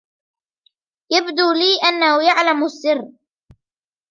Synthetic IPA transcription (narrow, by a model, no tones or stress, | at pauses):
jabd̪uːliːʔanːahʊjaʕlamasːɪrː